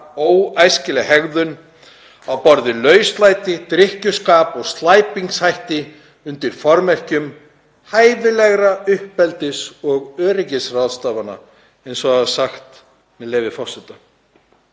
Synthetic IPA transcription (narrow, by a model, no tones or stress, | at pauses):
oːwajscɪlɪhɛɣðʏn | awpɔɾðɪlœːɥst̪laːjt̪ɪt̪ɾɪhcʏskaːpɔɣst̪laːjpiŋkshajht̪ɪ | ʏnt̪ɪɾ̥fɔɾmɛr̥cʏm | haːjvɪlɛɣɾaʏhpːɛlt̪ɪsɔɣœːɾɪcɪsraðst̪aːvana̰ | ɛnsɔaðasaxt̪ | mɛðleːjvɪfɔ̥sɛt̪a